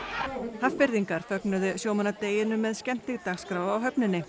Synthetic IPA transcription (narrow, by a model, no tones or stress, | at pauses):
hafpɪɾðiŋkaɾ̥fœknʏðʏsjoːwmanat̪eːjɪnʏmːɛðscɛn̥t̪ɪɣt̪aɣskɾaːwawɦœpnɪnːɪ